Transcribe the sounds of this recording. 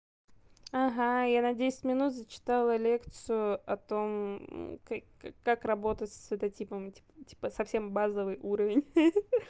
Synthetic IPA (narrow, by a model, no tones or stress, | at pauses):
aɦajanɐdʲesʲɪ̥tʲmʲɪnut̪zət͡ɕɪ̥t̪alˠəlʲe̞kt̪sɨjʊɐt̪o̞mka | akːakrɐbo̞t̪ətʲsʲɛt̪ɐtʲipəmtʲi̥ptʲi̥pəsɐfsʲe̞mbazəvɨjʔuɾəvʲɪnʲ